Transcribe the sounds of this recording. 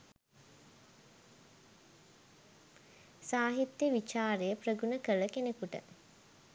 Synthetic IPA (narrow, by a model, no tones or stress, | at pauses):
saːɦit̪ːjeʋit͡ʃaːɾejəprəɡunəkələkenekuʈə̰